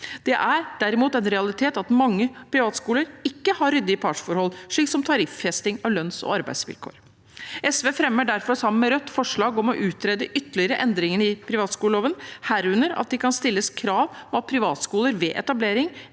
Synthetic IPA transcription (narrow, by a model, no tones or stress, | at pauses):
d̪̥ɛʔæɾd̪̥æɾɪmuːt̪ɛnɾɛɑlɪt̪ʰeːt̪ɑt̪mɑŋːəpʰɾɪʋɑːt̪skuːləɾɪkːəhɑɾːʏd̪ːɪəpʰɑːʂfɔɾhɔlʂɭiːksɔmt̪ʰɑɾɪfːɛst̪ɪŋɑʋlœnsɔ̰ɑɾbæɪsʋɪ̰lkʰo̰ːɾ | ɛsʋeːfɾɛmːəɖæɾfɔɾsɑmːənmɛɾœt̪ːfɔʂɭɑːɡɔmɔʔʉːt̪ʰɾeːd̪əʔʏt̪ːəɭɪəɾəʔɛnd̪ɾɪŋənɪpʰɾɪʋɑːt̪skuːləloːʋənhæːɾʉnəɾɑ̰t̪̚d̪ɪkʰɑnst̪ɪlːəskʰɾɑːʋmɔɑt̪̚pʰɾɪʋɑːt̪skuːləɾʋɛʔɛ̰t̪ɑbleːɾɪŋ